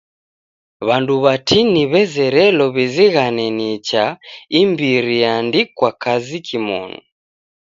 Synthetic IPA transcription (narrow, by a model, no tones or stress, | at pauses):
βanduβatiniβɛzɛɾɛlɔβiziɣanɛnit͡ʃaimbiɾiandikwakazikʰimɔ̰nṵ